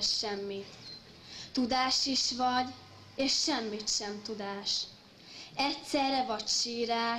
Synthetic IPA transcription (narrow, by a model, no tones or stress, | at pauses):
ʃʃɛmːit̪ | t̪ud̪aːʃiʃʋɒɟ | eːʃʃɛmːit̪ʃɛmt̪ud̪aːʃ | ɛtsɛrɛvɒcʃiːɾaː